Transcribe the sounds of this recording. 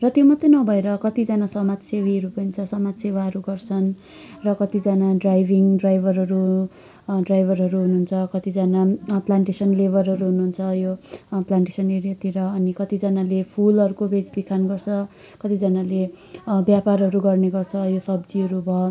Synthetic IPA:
rʌt̪jomʌt̪ːenʌbʱʌeɾʌkʌt̪id͡zanasʌmad͡zsewiɦʌɾupʌint͡sʰʌsʌmad͡zsewaɦʌɾuɡʌrt͡sʰʌn | rʌkʌt̪id͡zanaɖrajbʱiŋɖrajbʱʌrɦʌɾu | ɖrajbʱʌrɦʌɾuɦunuɦːnt͡sʰʌkʌt̪id͡zanaplaɳʈesʌnlebʱʌrɦʌɾuɦunuɦːnt͡sʰʌjoplaɳʈesʌneɾjʌt̪iɾʌːnikʌt̪id͡zanalepʰulʌɾukobʱed͡zbikʰanɡʌrt͡sʰʌ | kʌt̪id͡zanale | bjaparɦʌɾuɡʌrneɡʌrt͡sʰʌjosʌbd͡ziɦʌɾubʱʌ

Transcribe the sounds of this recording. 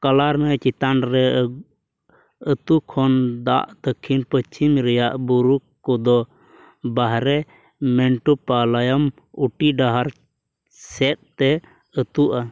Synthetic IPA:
kalaɾnət͡ʃit̪anɾɛ | ət̪ukʰɔnd̪a̰ʔd̪əkʰinpət͡ʃʰimɾɛjaʔbuɾukkːɔd̪ɔ | baɦɾɛ | mɛɳʈupalajam | uʈiɖaɦaɾ | sɛt̪̚t̪ɛ | ət̪uʔa

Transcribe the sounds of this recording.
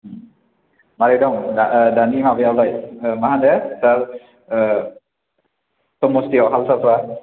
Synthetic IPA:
maɾidɔŋadanimabijawlajmaɦandɛsaɾ | sɔmostiɔɦalsaswa

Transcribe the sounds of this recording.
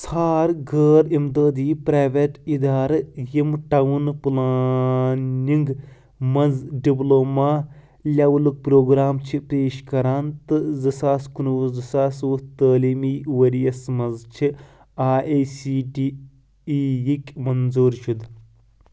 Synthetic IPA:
sʰaːɾɡəːɾimd̪əːd̪iːpɾaːʋeʈid̪aːɾjimʈawunpula | nʲiŋɡ | mɐnzɖibloːmaː | lʲawluk̚pɾoːɡɾaːmt͡ʃʰipeːʃkɐɾaːnt̪ɨzɨsaːskunuʋzɨsaːsuːt̪əːliːmiːʋɐɾiɐsmɐnzt͡ʃʰi | aːʔeːsiːʈiː | jikʲmɐnzuːɾʃud̪

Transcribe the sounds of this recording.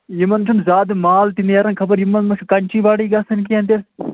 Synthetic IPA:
jimɐnt͡ʃʰumzaːd̪maːlt̪injaːɾɐnkʰɐbɐɾjimːɐnmɐʂʰkɐɳʲt͡ʃiʋaːɽiːɡasɐnkiɐnt̪iɾ

